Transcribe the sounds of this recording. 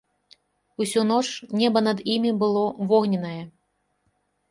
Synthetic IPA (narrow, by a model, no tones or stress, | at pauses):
usʲunɔt͡ʂnʲɛbɐnɐd̪imʲibɨlˠɔvɔɣnʲɛnɐjɛ